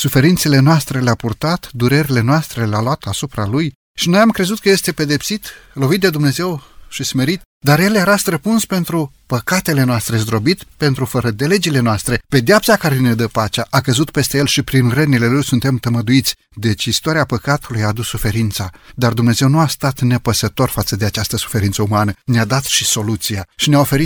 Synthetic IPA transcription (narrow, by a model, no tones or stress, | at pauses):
sufe̞ɾint̪se̞le̞noast̪ɾe̞leapurt̪at̪d̪uɾe̞ɾile̞noast̪ɾe̞lealoat̪asupɾaluj | ʃino̞jamkɾe̞zut̪̚kəje̞st̪e̞pe̞d̪e̞psit̪lo̞vit̪̚d̪e̞d̪umne̞ze̞wʃisme̞ɾit̪ | d̪arje̞ljeɾast̪ɾəpunspe̞nt̪ɾu | pəkat̪e̞le̞noast̪ɾe̞zd̪ɾo̞bit̪pe̞nt̪ɾufəɾəd̪ele̞d͡ʒile̞noast̪ɾe̞pe̞d̪eapsakaɾe̞ned̪əpat͡ʃaʔakəzut̪pe̞st̪ejelʃipɾinrənile̞lujsunt̪e̞mt̪əməd̪uit̪sʲ | d̪e̞t͡ʃist̪oaɾiapəkat̪ulujaːd̪usːufe̞ɾint̪sad̪ard̪umne̞ze̞wnuast̪at̪ne̞pəsət̪o̞rfat̪səd̪e̞at͡ʃast̪əsu̥fe̞ɾint̪səumanənead̪at̪ʃiso̞lut̪sijaʃineao̞fe̞ɾit̪